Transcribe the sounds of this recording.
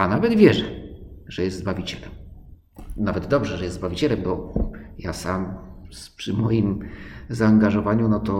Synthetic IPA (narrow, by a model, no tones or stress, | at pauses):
anavɛd̪vʲjɛʐɛʐ̥ɛjɛst̪zbavʲit͡ɕɛlɛm | navɛd̪d̪ɔbʐɛʐɛjɛst̪zbavʲit͡ɕɛlɛmbɔjasampʂɘmɔjimzaːŋɡaʐɔvaɲunɔt̪ɔ